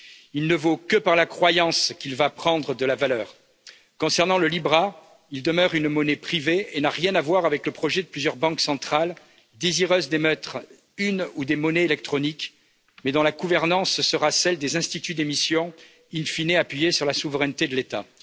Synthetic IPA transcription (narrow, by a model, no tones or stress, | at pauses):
ilnəvokəpaʁlakχwajɑ̃skʲilvapχɑ̃d̪ʁəd̪əlavalœːʁ | kɔ̃sɛʁnɑ̃ləlibʁa | ild̪əmœʁynmɔnepχiveenaʁjɛ̃navwaʁavɛkləpχɔʒɛd̪əplyzjœʁbɑ̃ksɑ̃t̪χal | d̪eziʁøzd̪emœt̪χ | ynud̪emɔneelɛk̚t̪χɔnik | mɛd̪ɔ̃laɡuvɛʁnɑ̃ssəʁasɛld̪ezɛ̃st̪it̪yd̪emisjɔ̃ | infineapɥijesyʁlasuvʁɛnt̪ed̪əlet̪a̰